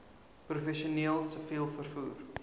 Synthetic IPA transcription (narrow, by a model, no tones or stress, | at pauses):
prufɛʃiuəniəlˠsəfiəlˠfərfuːr